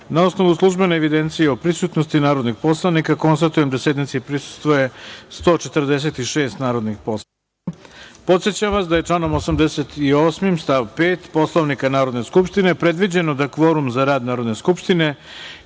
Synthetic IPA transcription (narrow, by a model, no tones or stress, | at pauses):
naosno̞ʋuslˠuʒbe̞neːʋid̪ent̪sijeopɾisut̪nost̪inaːɾod̪nixpo̞slˠaʋnikako̞nst̪at̪uje̞md̪ase̞d̪nit̪sipɾisu̥st̪ʋoje̞st̪o̞ːt͡ʃe̞t̪rd̪es̬e̞t̪iʃe̞ːst̪naːɾo̞d̪nixpo̞s | po̞t̪sjet͡ɕaʋasd̪aje̞t͡ʂlˠano̞mosamd̪eset̪io̞smimst̪aʋpeːt̪po̞slˠoʋnikanaːɾo̞d̪ne̞skupʂt̪ine̞pɾe̞d̪ʋid͡ʑe̞nod̪akʋo̞ɾumzaɾaːd̪naːɾo̞d̪neskupʂt̪ine̞